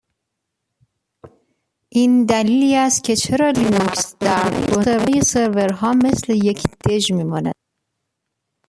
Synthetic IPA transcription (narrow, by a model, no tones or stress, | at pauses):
ʔind̪æliːliːæst̪̚cʲʰe̞t͡ʃʰe̞ɾɒːlinuksd̪̥æɾd̪ɡoeɾvejese̞ɾveɾɦɒːme̞sle̞je̞cʰd̪̥e̞ʒmiːmɒːnæ̰d̪̥̚